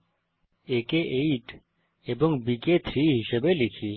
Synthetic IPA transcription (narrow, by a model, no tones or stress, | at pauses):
ekeʔeiʈ | eboŋbiket̪ʰɾiɦiʃebelikʰi